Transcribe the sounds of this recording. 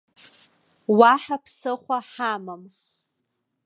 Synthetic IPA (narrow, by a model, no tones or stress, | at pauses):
waħapʰsɨχʷaħamam